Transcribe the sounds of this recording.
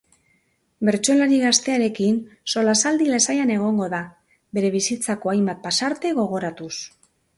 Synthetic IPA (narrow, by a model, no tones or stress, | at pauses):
be̞ɾt͡ʃo̞laɾiɣast̪e̞aɾe̞kinso̞lasald̪ilasajane̞ɣ̞o̞ŋɡo̞ða | be̞ɾe̞β̞isit͡sako̞ajmbat̪̚pasaɾt̪e̞ɣ̞o̞ɣ̞o̞ɾat̪us